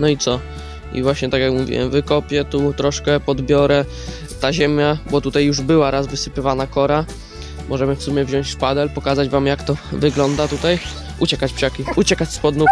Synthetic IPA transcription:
nɔit̪sɔ | ḭvwaɕɲɛt̪akjakmuvʲḭwɛ̰mvɘkɔpʲjɛt̪ut̪ɾɔʂkɛpɔd̪bʲjɔɾɛ | t̪aʑɛmʲjabɔt̪ut̪ajːuʐbɘwaɾazvɘsɘpɘvanakɔɾa | mɔʐɛmɘfsumʲjɛvʑɔ̃ɲ̃ɕt͡ɕfpad̪ɛlpɔkazad͡ʑvamjakt̪ɔvɘɡlɔnd̪at̪ut̪aj | ut͡ɕɛkat͡ɕpʂakʲiut͡ɕɛkat͡ɕspɔd̪nu

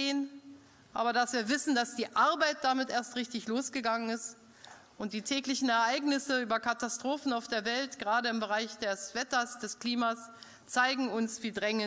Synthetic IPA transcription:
eːn | ʔa̰ːbɐdasv̥iːɐvɪsn̩d̥asd̥iːʔaɐbaɪt̚d̥amɪtʔeːɐstʁɪçtɪçloːsɡ̥əɡaŋənɪst | ʔʊnt̚d̥iːtʰɛːklɪçn̩ɛɐʔaɪɡnɪsəyːbɐkʰatastʁ̥oːfn̩aʊfd̥eːɐvɛltɡ̥ʁaːdəɪmbəʁaɪçd̥ɛsv̥ɛtɐsd̥ɛskl̥iːmas | t͡saɪɡŋ̩ʊnsv̥iːdʁɛŋə

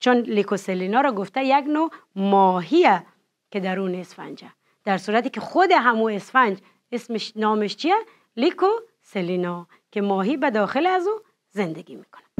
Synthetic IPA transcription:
t͡ʃʰonlikoselinɔɾɔɡoft̪ajaɡnomɔːɦiæ | ked̪aɾunesfa̰nd͡ʒa | d̪̥æɾsuːɾat̪ikexod̪eɦamuesfænd͡ʒ | esmeʃnɔːmeʃt͡ʃʰia | liko | selinɔ | kemɔːɦibad̪ɔːxelazu | zend̪eɡimi̥kʰo̥nḁ

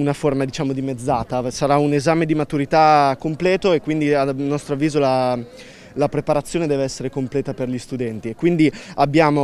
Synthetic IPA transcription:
unaformad̪it͡ʃaːmod̪imed̪zːaːt̪asaɾaunezaːmed̪imat̪uɾit̪akːomplɛːt̪oekːwind̪ianːɔst̪ɾoavːiːzola | lapɾepaɾat̪sːjoːned̪ɛːveɛsːeɾekomplɛːt̪aperʎist̪ud̪ɛnt̪iekːwind̪iabːjaːmo

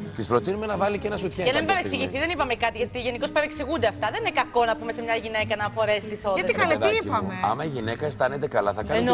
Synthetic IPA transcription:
t̪ispɾo̞t̪inumenɐvɐlicenɐsut̪çeɐnɐmibeɾeksiʝiθiðenipɐmekɐt̪iʝɐt̪iʝe̞niko̞speɾeksiɣund̪eɐft̪ɐðe̞ninekɐko̞nɐpumese̞mɲɐʝine̞kɐnɐfo̞ɾest̪iθoðɐðikɐlɐt̪iipɐmeɐ̰mɐiʝinekɐest̪ɐnet̪ekɐlɐθɐkɐn

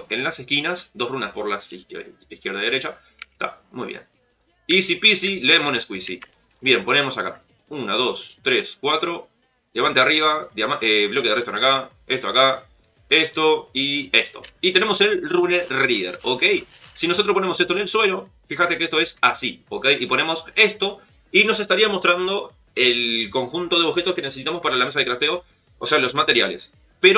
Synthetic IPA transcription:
e̞nlasehkinasd̪o̞srunaspo̞ɾlasi | ikjeɾðaðeɾet͡ʃa | t̪a̰mujβjḛn | isipisilemoneskwisḭ | bje̞mpo̞ne̞mo̞saka̰ | unaðo̞st̪ɾe̞skwat̪ɾo̞ | ðjaβant̪eariβ̞ad̪amaʔeβlo̞keðrest̪onaka | e̞st̪oaka | e̞st̪o̞ie̞st̪o̞̰it̪e̞ne̞mo̞se̞lruneriðeɾoke̞jsino̞s̬ot̪ɾospone̞mo̞set̪one̞lswe̞lo̞ | fixat̪ekest̪o̞esasioke̞jʔipo̞ne̞mo̞se̞st̪o̞ | ino̞s̬e̞st̪aɾiamo̞st̪ɾand̪o̞ | e̞lko̞ŋxunt̪o̞ð̞eo̞bxe̞t̪o̞skeneses̬it̪amo̞spaɾalamesaðeklat̪eo̞ | ose̞alo̞zmat̪e̞ɾja̰le̞̰s | peɾo

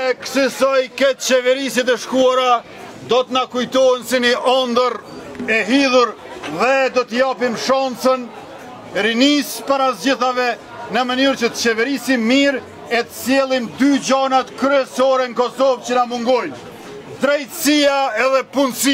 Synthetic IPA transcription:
ɛksəsɔjkɛt̪̚t͡ɕɛvɛɾisit̪̬ɛʃkuaɾa | d̪ɔt̪nakujt̪ɔɦɛnsiniʔɔnd̪əɾɛɦiðuɾ | ðɛd̪ɔt̪əjapimʃansən | ɾinispaɾazd͡ʑiθavɛ | nəmənyɾt͡ʃət͡ʃɛvɛɾisimiɾ | ɛt̪ə̥sjɛlˠimd̪yd͡ʑanat̪kɾyɛsɔɾɛnəkɔsɔvt͡ɕənamuŋɡɔj | d̪ɾɛjt̪siaɛðɛpunsi

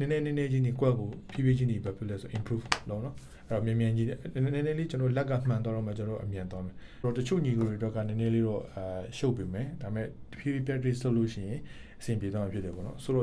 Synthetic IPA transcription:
nɛnɛnɛnɛd͡ʑinikwɛkopʰjibed͡ʑinibapʰjɪlɛsoɔʔɪ̃mpɹuflonɔ | ʔɛɔmjɛ̃mjãd͡ʑiɛnɛnɛlet͡ɕənɔːolɛk̬ːa̰m̥ãn̬waɾɔmɛt͡ɕənɔːo̰ʔəmjãnwamɛ | ɾɔtət͡ɕʰo̰ɲiɡoɾetwɛkːanɛ̃nɛleɾɔʃoʊpːemɛdaɪmɛ̰təpʰjibepjɛɹisoloʃɪ̰̃jɪ̃ʔəsɪ̃mpjed̪wamãpʰjɪtːɛbɔ̰nɔsoɔ

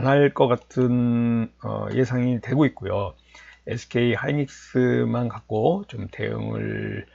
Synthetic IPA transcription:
anaɭk͈ʌk͈atʰɯn | ʌ̰jʔe̞sʰaŋitwe̞ɡoit̚k͈ojo | esʰɯ̥kʰe̞ihaiɲik̚s͈ɯmankak̚k͈ot͡ɕomte̞̰jo̰ŋɯ̰ɭ

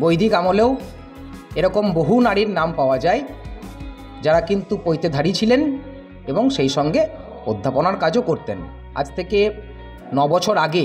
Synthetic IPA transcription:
bojd̪ikamolew | eɾɔkomboɦunaɾiɾnampaoad͡ʑae | d͡ʑaɾakint̪upojt̪ed̪ʱaɾit͡ɕʰilen | eboŋʃejʃɔŋɡe | od̪ʱːaponaɾkad͡ʑokoɾt̪en | a̰d͡ʑt̪ʰeke | nɔbɔt͡ɕʰoɾaɡe

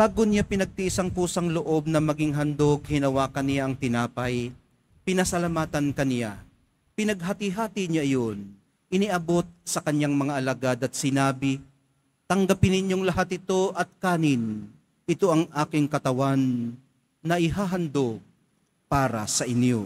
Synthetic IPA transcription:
baːɡonɪjapɪnɐɡ̚t̪iʔɪsɐŋpuːsɐŋloʔo̞b̚nɐmɐɡɪŋɦɐnd̪oɡ̚hɪnɐwaːkɐnɪjaʔɐŋt̪ɪnaːpɐj | pɪnɐsɐlɐmaːt̪ɐnkɐnɪja̰ | pɪnɐɡ̚ɦat̪ɪɦaːt̪ɪɲaʔɐjon | ʔɪniʔɐbo̞t̪̚sɐkɐɲjaŋmɐŋaʔɐlaɡad̪ɐt̪̚sɪnaːbɪ | t̪ɐŋɡɐpɪnɪɲjo̞ŋlɐɦat̪ɪt̪o̞ʔɐt̪̚kaːnɪn | ɪt̪o̞ʔɐŋʔaːkɪŋkɐt̪ɐwanː | ɐʔɪɦaːɦɐnd̪oɡ̚ | paːɾɐ̰sɐʔɪnjo̰

